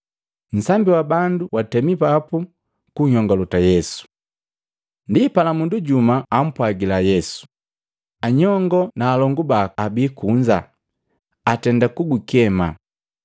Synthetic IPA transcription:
n̩sambiwabanduwatɛmipapu | kuɲɔŋɡalɔtajɛsu̥ | ndipalamunduɟumaam̩pwaɡilajɛsu̥ | aɲɔŋɡɔnaːlɔŋɡubaːbiːkuɲd͡ʒa̰ | atɛndakuɡukɛma̰

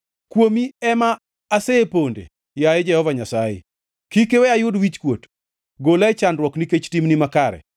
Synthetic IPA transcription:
kwomiɛmaː | seepondḛ | jajed͡ʒɛhɔvaɲasajḛ | kikewɛajʊdwit͡ʃkwot | ɡolat͡ʃandrwɔkniket͡ʃtimnimakaɾɛ̰

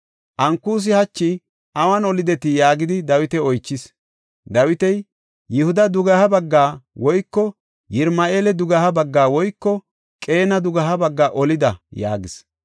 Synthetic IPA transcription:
ʔɐŋkːuːs̬ɪhɐt͡ʃːɪ | ʔɐwɐnɔlɪd̪ɛt̪ɪjaːɡɪd̪ɪd̪ɐwɪt̪ɛɔjt͡ʃːɪs | d̪ɐwɪt̪ɛjː | ɪhʊd̪ɐd̪ʊɡɐhɐbɐɡːaːwɔjkːɔ | jɪɾmɐʔeːlɛd̪ʊɡɐhɐbɐɡːaːwɔjkːɔ | kʼe̞ːnɐd̪ʊɡɐɦɐbɐɡːaːʔɔlɪd̪ɐja̰ːɡɪs

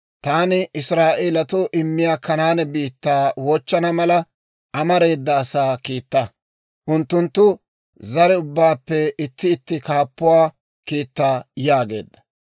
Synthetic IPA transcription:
t̪aːnɪʔɪsɾaːʔelɐt̪ʊʔɪmːɪjaːkɐnaːnɛbiːt̪ːaːwɔt͡ʃːɐnɐmɐlɐ | ʔɐmɐɾe̞ːd̪ːɐːsaːkiːt̪ːɐ | ʔʊnt̪ːʊnt̪ːʊ | zɐɾɛʊbːaːpːɛɪt̪ːɪːt̪ːɪkaːpːʊwaː | kiːt̪ːaːjaːɡe̞̰ːd̪ːɐ̥

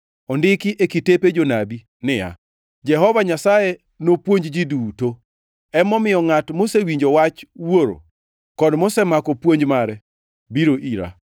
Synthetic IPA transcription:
ɔndɪkɪʔekiteped͡ʒonabi | nɪja̰ | d͡ʒɛɦɔvaɲasaje | nopwoɲd͡ʒd͡ʒiduto | ɛmɔmɪjɔŋatmosewiɲd͡ʒowat͡ʃwoɾo̰ | kɔdmosɛmakɔpwoɲd͡ʒmaɾɛ | biɾoʔiɾa̰

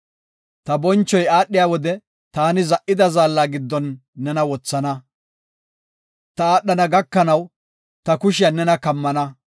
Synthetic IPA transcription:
t̪ɐbɔnt͡ʃːɔjaːɗːɪjaːwɔd̪ɛ | t̪aːnɪzɐʔɪd̪ɐzaːlːaːɡɪd̪ːɔnːɛnɐwɔt͡sːɐnɐ | t̪ɐaːɗːɐnɐɡɐkːɐnɐw | t̪ɐkʊʃɪjanɛnɐkɐmːɐnɐ

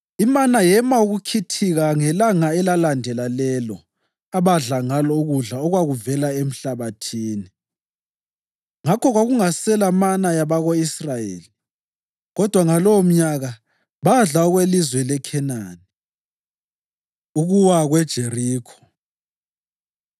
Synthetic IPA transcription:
imanajɛmauɣukʰitʰiɣaŋɛlaŋaɛlalandʱɛlalɛlɔ | aβaɮaŋalɔuɣuɮaɔɣwaɣuvɛlaem̩ɬaβatʰiːni | ŋakʰɔɣwaɣuŋasɛlamanajaβaɣoisrajḛːli | ɣɔd̥ʱwaŋalɔwɔm̩ɲaɣa | βaɮaɔɣwelizwɛlɛkʰɛnaːni | uɣuwaɣwɛd̥ʒ̥ʱeriːkʰɔ̥

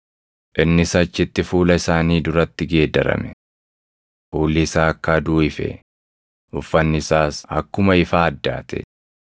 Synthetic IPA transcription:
ʔɪnːɪsɐt͡ʃːɪt̪ːɪfuːlɐɪsaːniːd̪ʊɾɐt̪ːɪɡe̞ːd̪ɐɾɐ̰mɛ̥ | ʔuːlːɪsaːɐkːaːd̪uːɪfɛ̰ | ʔʊfːɐnːɪsaːsɐ̰kːʊmɐɪfaːɐd̪ːa̰ːt̪ʰɛ̰

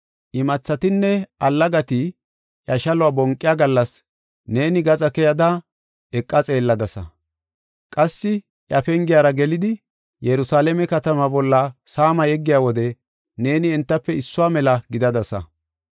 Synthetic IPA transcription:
ʔɪmɐt͡sːɐt̪ɪnːɛʔɐlːɐɡɐt̪ɪ | ʔjɐʃɐlʊwaːbɔŋkʼːɪjaɡɐlːɐs | ne̞ːnɪɡɐt͡sʼɐkɛjɐd̪a | ɛkʼːɐt͡sʼe̞ːlːɐd̪ɐsɐ̰ | kʼɐsːɪ | ʔjɐfɛŋɡɪjaːɾɐɡɛlɪd̪ɪ | jɛɾʊsaːlɛmɛkɐt̪ɐmɐbɔlːɐsaːmɐjɛɡːɪjaːwɔd̪ɛ | ne̞ːnɪːnt̪ːɐpːɛɪsːʊwaːmɛlɐɡɪd̪ɐd̪ɐsɐ̰

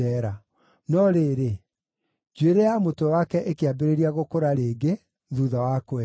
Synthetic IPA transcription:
ɛɾa | nɔɾeːɾe | d͡ʒweɾejamotɛwakɛʔekeabeɾeɾiaɣokoɾaɾeːɡe | ðuðawakwɛ

